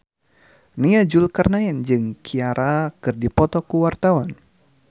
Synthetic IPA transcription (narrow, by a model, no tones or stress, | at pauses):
niad͡ʒulkarnaɛnd͡ʒɨŋkʰiaɾʔakɨrdipɔt̪ɔkuwart̪awan